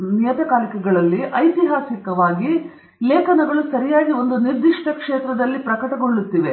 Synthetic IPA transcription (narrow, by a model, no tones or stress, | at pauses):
nijɐt̪ɐkaːlikɛɡɐɭɐlːiʔɐjt̪iɦaːsikɐʋaːɡi | leːkʰɐnɐɡɐɭusɐɾijaːɡio̞nd̪uniɾd̪iʂʈɐkʂeːt̪ɾɐd̪ɐlːipɾɐkɐʈɐɡoɭːut̪ːiʋe̞